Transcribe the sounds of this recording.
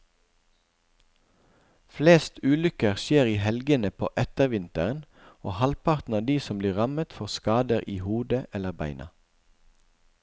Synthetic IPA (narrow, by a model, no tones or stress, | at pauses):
fleːst̪ʉːlʏkəʁʃeːʁiːhɛlɡənəpʰo̰ːʔɛt̪əʁʋɪnt̪əʁən | oːhɑlpʰɑʁt̪n̩ɑːd̪iːsɔmbliːʁɑmət̪fɔʁskɑːd̪əʁʔiːhuːd̪əʔɛləʁbæɪnʔɑ̰